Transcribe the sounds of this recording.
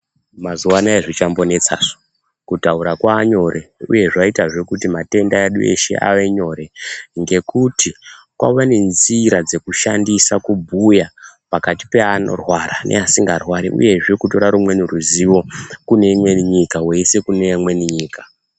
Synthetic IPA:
mazuwanaeʐit͡ʃambo̞ne̞t͡sa̰ʐo̥ | kutauɾakwaːɲo̞ɾʔe̞ṵje̞ʐaitaʐe̞kutimate̞ndaeɗṵe̞̰ʃe̞̰ʔa̰ʋe̞ɲo̞ɾe̞ŋɡe̞kutʰikwa̰wane̞nziɾad͡ze̞kuʃandisakubʱujapakati̥peano̰rwaɾanʔḛasiŋɡarwaɾḭʔṵje̞ʐekuto̞ɾaɾumwe̞niruziʋo̞kune̞imwe̞niɲikawe̞se̞kunemwe̞niɲiːkḁ

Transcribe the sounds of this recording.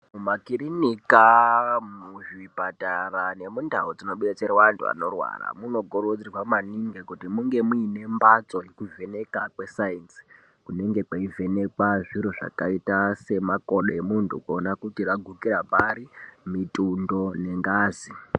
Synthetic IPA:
mumakiɾinikamuʐibʱatarane̞mundʱaud͡zino̞ɓuɗat͡ʃeɾwantʰṵa̰no̞̰rwa̰ra̰muno̞ɡʱoɾod͡zirwamaniŋɡekutimuŋɡe̞muine̞mbat͡so̞jekuve̞ne̞kakwe̞sainsi̥ | kune̞ŋɡe̞kwaivʱe̞ne̞kwaʐiɾoʐa̰kaitase̞makoɗoemuntʰṵkuonakutiraɡʱukirapaɾimitʼundo̞ne̞ŋɡaːzi

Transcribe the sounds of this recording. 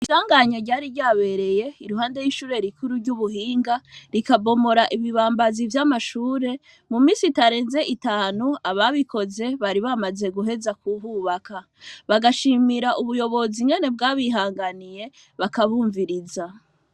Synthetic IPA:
iʃaːŋɡaɲoɾɟaːɾiɾɟaːβe̞ɾe̞je̞iɾuɦaːnde̞jiːʃuːɾe̞ɾikʰuɾuɾɟuβuhiːŋɡaɾikabo̞mo̞ɾaʔiβiβaːmbazivjamaʃuːɾe̞ | mumiːsitaɾe̞ːnze̞ʔitaːnuaβaβikʰo̞ze̞βaɾiβamaze̞ɡuɦe̞zakuhuβakʰa | βaɡaʃimiɾaʔuβujo̞βo̞ziŋɡe̞ne̞bɡaːβiɦaːŋɡanije̞ | βakaβuːɱviɾiza

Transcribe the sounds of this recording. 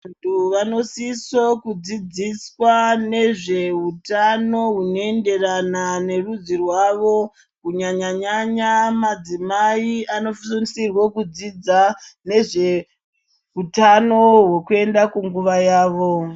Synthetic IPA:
ntʰuʋano̞sisokud͡zid͡ziswane̞ʐe̞ɦutano̞ɦuno̞e̞nde̞ranane̞rud͡zirwaʋo̞ | kuɲaɲaɲaɲamad͡zimaiʔano̞fsonsirwokud͡zid͡zane̞ʐe̞ | ɦutano̞ɦwokue̞ndakuŋɡuʋajaːʋo̞

